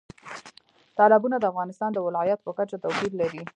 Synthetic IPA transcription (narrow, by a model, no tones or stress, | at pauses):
t̪ɑlɪbunad̪əafɣɑnɪst̪ɑnd̪əwɪlɑjat̪pəkat͡ʃat̪awpid̪laɾi